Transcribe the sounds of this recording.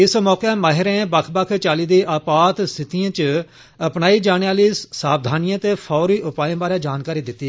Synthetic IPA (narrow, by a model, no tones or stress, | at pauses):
ɪsmɔːkeːmaɦɪɾẽːbəkʰbəkʰt͡ʃaːliːd̪eːʔapaːt̪sɪt̪iãːt͡ʃə | əpnaːiːd͡ʒaːɽ̃eːaːliːsaːbd̪ʱaːnɪjãːt̪eːpʰɔːɾiːʔʊpaːjẽːbaːɾejãːd͡ʒaːnkaːɾiːd̪ɪt̪ːiː